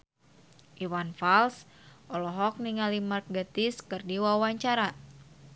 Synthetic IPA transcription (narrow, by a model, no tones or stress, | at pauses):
ʔiwanfals | ʔɔlɔɦɔk̚niŋalimart̪̚ɡət̪iskɨrdiwawaɲt͡ʃaɾa